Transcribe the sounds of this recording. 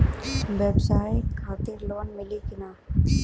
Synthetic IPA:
ʋɛbsaːikʰaːt̪ɪɾloːnmɪlikɪnaː

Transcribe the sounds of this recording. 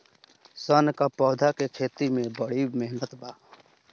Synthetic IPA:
sənkapɔːd̪ʱakekʰeːt̪imẽbəɽ̤imɛɦnət̪baː

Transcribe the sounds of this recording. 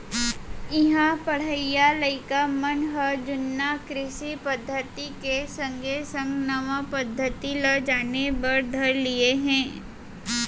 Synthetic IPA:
ɪɦãpɐɽ̤əijalɐɪkamɐnɦəd͡ʒʊnːakɾɪʃipɐd̪ʱːət̪ikesɐ̃ŋɡʱesɐ̃ŋɡnɐʋəpɐd̪ʱːət̪iləd͡ʒaːnebɐɾd̪ʱɐɾlieɦɛ̃ː

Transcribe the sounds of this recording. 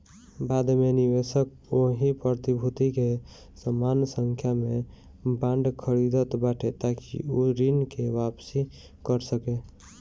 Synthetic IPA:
baːd̪meniʋeʃək | oɦipɾət̪ibʱut̪ike | səmaːnsə̃ŋkʰjamẽ | bãːɳɖkʰəɾid̪ət̪baːʈʰet̪akḭoɾinkewapsi | kəɾsəke

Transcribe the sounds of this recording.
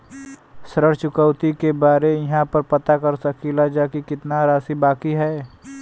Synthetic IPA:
sɾəɽt͡ʃʊkəwt̪ikebaːɾejɐɦãpəɾpɐt̪akɐɾsɐkilad͡ʒaːkikɪt̪naɾaːsibaːkiɦɛː

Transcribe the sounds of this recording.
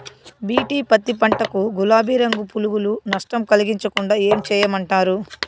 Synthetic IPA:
biːʈiːpɐt̪ːipɐɳʈɐkuɡulaːbiːɾɐŋɡupuluɡulunɐʂʈɐmkɐliɡiɲt͡ʃɐkuɳɖaːe̞ːmt͡ʃɛːjɐmɐɳʈaːɾu

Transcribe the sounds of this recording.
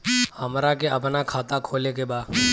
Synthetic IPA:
həmɾakeəpnaːkʰaːt̪akʰoːlek̬eːbaː

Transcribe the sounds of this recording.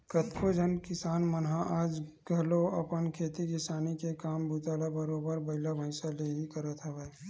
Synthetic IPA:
kət̪kʰod͡ʒʱənkɪsaːnmənɦãʔaːd͡ʒɡʱɐloɐpənkʰeːt̪ikɪsaːnikekaːmbʊt̪aːlabɐɾoːbəɾbɐɦɪlabʱə̃ɪsaleːɦikɐɾət̪ɦəʋɛː

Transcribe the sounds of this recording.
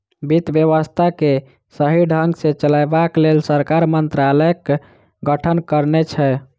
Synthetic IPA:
bit̪bjəʋəst̪ʰake | səɦiɖʱəŋɡsẽt͡ʃəlajbaklelsəɾkaɾmənt̪ɾaləkː | ɡəʈʰənkəɾnet͡ʃʰɛ

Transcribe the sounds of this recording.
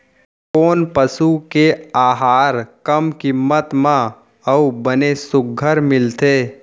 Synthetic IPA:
koːnpəsukeaːɦaːɾkəmkimːət̪mã | əubənesʊɡʱəɾmɪlt̪eː

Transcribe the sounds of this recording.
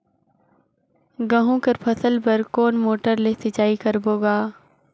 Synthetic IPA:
ɡɐɦũkɐɾpʰɐsəlpɐɾkoːnmoːʈəɾlesɪt͡ʃaːikɐɾboːɡaː

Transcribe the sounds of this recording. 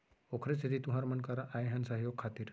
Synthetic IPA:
okʰɾest̪ʰit̪it̪uɦaɾməɳkaɾaʔajɦansaɦjoɡ̚kʰːat̪iːɾ

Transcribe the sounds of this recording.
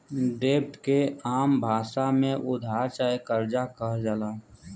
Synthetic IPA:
ɖeːp̚ʈkeaːmbʱaːʃamẽʔʊd̪ʱaːɾt͡ʃaːekəɾd͡ʒakəɦd͡ʒalaː

